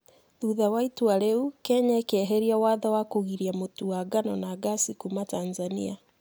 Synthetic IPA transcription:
ðuðawaitwaɾeukɛɲaekɛɦeɾiawaðawakoɣiɾiamotuwaɡanɔnaɡasikumataːnzanḭa

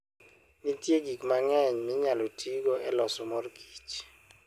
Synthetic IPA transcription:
nitjeɡiɡmaŋɛɲmɪɲalotʰiɡɔɛlɔsɔmɔrɡ̥i̥t͡ʃ

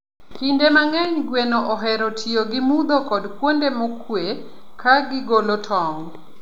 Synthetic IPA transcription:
kindemaŋɛɲɡwenɔʔɔɦɛɾɔtʰioɡɪmud̪okɔdkwondemɔkwe | kaɡɪɡolotʰɔŋ

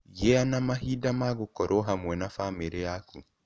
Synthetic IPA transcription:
jɛanamahiːdamaɣokɔɾoɦamwɛnafameɾeakṵ

